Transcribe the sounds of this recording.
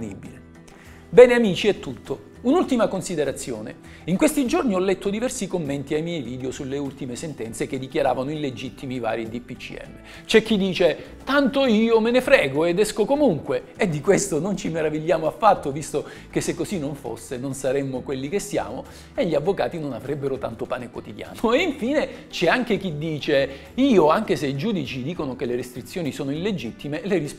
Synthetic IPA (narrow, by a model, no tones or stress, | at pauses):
nḭbile | bɛːneamiːt͡ʃiɛt̪ːut̪ʰːo | unult̪imakonsid̪eɾat̪sːjo̰ːnḛ | iŋkwest̪id͡ʒorniɔlːɛt̪ːod̪ivɛrsikomːent̪iajmjɛjviːd̪eosulːeult̪imesent̪ɛnt̪sek̟ed̪ikjaɾa̰ːvanoiled͡ʒit̪ʰːimiva̰ːɾid̪ipːit͡ʃḭɛ̰mːe | t͡ʃɛk̟ːid̪ːiːt͡ʃe | t̪ant̪oiːomenefɾɛːɡoed̪ɛskokomuŋkweːd̪ːikwest̪onont͡ʃimeɾaviʎːaːmoafːat̪ːovist̪o | kesːekːosinːoɱfo̰sːenonsaɾemːokwelːikesːja̰ːmo | eʎːiavːoka̰ːt̪inonavɾɛbːeɾot̪a̰nt̪opaːnekwot̪id̪ja̰ːnoeiɱfiːnet͡ʃɛaŋk̟ek̟id̪ːiːt͡ʃe | iːoaŋk̟eseid͡ʒuːd̪it͡ʃid̪iːkonokeleɾest̪ɾit̪sːjoːnisoːnoilːed͡ʒit̪ːimeleɾis